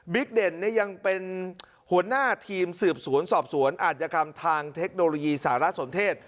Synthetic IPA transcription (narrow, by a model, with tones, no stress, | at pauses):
bi˦˥k̚de˨˩nːi˦˥əja˧ŋpe˧n | hu˩˦ənaː˥˩t̪ʰiː˧msɯː˨˩p̚su˩˦ənsɔː˨˩p̚su˨˩˦ənʔaː˨˩t̪̚t͡ɕa˧kʰa˧mt̪ʰaː˧ŋt̪ʰe˦˥k̚noː˧lo˧jiː˧saː˩˦ɾa˦˥so˨˩˦nt̪ʰeː˥˩t̪̚